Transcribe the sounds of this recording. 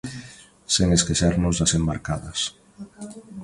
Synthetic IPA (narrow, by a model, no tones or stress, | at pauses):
seŋeskeʃaɾnʊzðasembaɾkaðɐs